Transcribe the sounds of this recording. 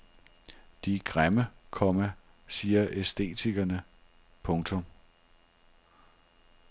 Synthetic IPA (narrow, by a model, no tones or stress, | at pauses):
d̥iɡ̥ʁaməkʰɒ̽mæ | siːɐʔesd̥e̝̰ːt͡sʰiɡ̥ɐnə | pʰɔ̽ŋt͡sʰɔ̽m